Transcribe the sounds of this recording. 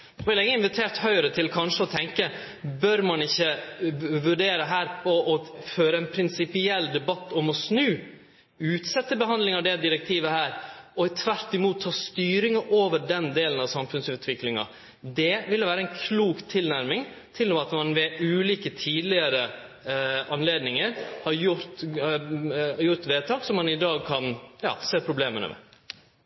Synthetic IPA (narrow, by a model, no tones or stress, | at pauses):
ʋɪlɪŋːəɪnʋɪt̪ʰeːɾt̪hœʏəɾət̪ʰɪlkʰɑnʂəɔt̪ʰɛŋkə | bœɾmɑnɪçːə | ʋʉɖeːɾəɦæːɾpʰɔʔɔføːɾəɛnpʰɾɪnsɪpɪɛlːd̪ɛbɑt̪ːɔmɔsnʉː | ʉːt̪sɛt̪ːəbəɦɑnd̪lɪŋɑʋd̪ɛd̪ɪɾɛk̚t̪ʰiːʋəhæːɾɔɪt̪ʰʋæɾt̪ɪmuːt̪ʰːɑːst̪yːɾɪŋəʔoːʋəɖɛnd̪eːlənɑʋsɑmfʉnsʉːt̪ʰʋɪklɪŋɑ̰ | d̪ɛʋɪlːəʋæːɾəɛɪnkʰluːkt̪ʰɪlnæɾmɪŋ | t̪ʰɪlːɔɑt̪mɑnʋɛʉːliːkət̪ʰiːd̪lɪəɾə | ɑnleːd̪nɪŋəɾhɑɾjʊɾt̪ | jʊɾt̪ʋeːt̪ʰɑːksɔmːɑnɪd̪ɑːɡ̚kʰɑnjɑ̰ːseːpʰɾʊbleːmənə̰mɛ̰